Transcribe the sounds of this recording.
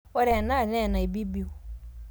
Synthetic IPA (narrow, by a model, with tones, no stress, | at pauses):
wɛ˦ɾɛ˨nã˦˨nɛ̃˦˨nã˨i˨bi˦bi˦o˨